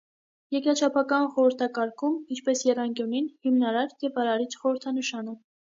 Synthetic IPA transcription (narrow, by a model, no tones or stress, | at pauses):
jɛkɾɑt͡ʃʰɑpʰɑkɑnχɔɾəɾt̪ʰɑkɑɾkʰumint͡ʃʰpɛsjɛrɑŋkjuninhimnɑɾɑɾjɛvɑɾɑɾit͡ʃʰχɔɾəɾt̪ʰɑnəʃɑnə